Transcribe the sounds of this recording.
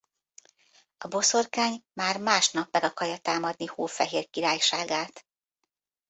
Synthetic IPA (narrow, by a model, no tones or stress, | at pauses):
ɒbo̞so̞rkaːɲmaːrmaːʃnɒpmɛɡɒkɒrjɒt̪aːmɒd̪nihuːfɛɦeːrkiɾaːjʃaːɡaːt̪